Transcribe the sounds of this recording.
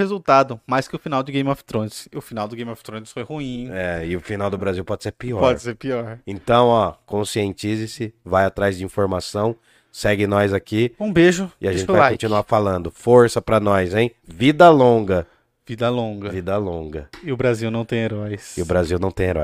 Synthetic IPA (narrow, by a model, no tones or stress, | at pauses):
hezuwt̪ad̪ʊmajskɪʊfinawd̪ʊɪɡẽj̃mɔft̪ɾõnsɪʊfinawd̪ʊɡej̃mɔft̪ɾõnsfojhuĩɛɪʊfinawd̪ʊbɾaziwpɔd͡ʒɪseɾpiɔpɔd͡ʒɪseɾpiɔɾẽnt̪ɐ̃w̃ɔkõsiẽnt͡ʃizɪsɪvajat̪ɾajzd͡ʒɪĩfoɾmasɐ̃w̃ | sɛɡɪnɔjzakiũbeʒʊɪaʒ̃t͡ʃɪvakõt͡ʃinuafalɐ̃nd̪ʊfoɾsɐpɾɐnɔjzẽj̃vid̪ɐlõɡɐ | vid̪ɐlõɡɐvid̪ɐlõɡɐɪʊbɾaziwnɐ̃w̃t̪ẽj̃eɾɔjsɪʊbɾaziwnɐ̃w̃t̪ẽj̃eɾɔ̰j